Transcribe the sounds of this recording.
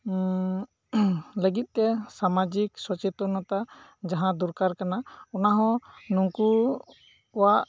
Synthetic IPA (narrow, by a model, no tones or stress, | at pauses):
ləɡit̪̚ˀt̪ɛsamad͡ʒiksɔt͡ʃɛt̪ɔnɔt̪ad͡ʒaɦãd̪uɾkaɾkanaɔnaɦɔ̃nuŋku | waʔ